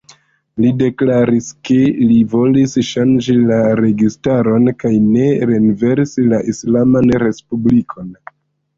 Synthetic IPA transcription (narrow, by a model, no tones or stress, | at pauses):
lide̞klaɾiske̞livo̞lisʃand͡ʒilaɾe̞ɡistaɾo̞nkajne̞ɾenve̞ɾsilaʔislamanɾe̞spublikʰo̞n